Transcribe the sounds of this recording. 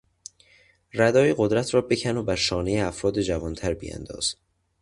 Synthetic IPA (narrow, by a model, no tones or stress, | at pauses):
ræd̪ɒːjeɢod̪ɾæt̪ʰɾɒːbe̞cʰænobæɾʃɒːne̞jeæfɾɒːd̪ed͡ʒævɒːnt̪ʰæɾbḭjæ̰nd̪ɒ̰ːz̥